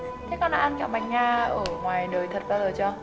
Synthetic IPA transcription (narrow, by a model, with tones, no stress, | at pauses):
kaː˨˦jkɔ˧nɗa̰ː˧ʔːnka˧˩wma˨˩ŋŋaː˧ʔəː˧˩ŋwaː˨˩jɗəː˨˩jt̪ʰə˨˩t̚ɓaː˧zəː˨˩t͡ɕɔ˧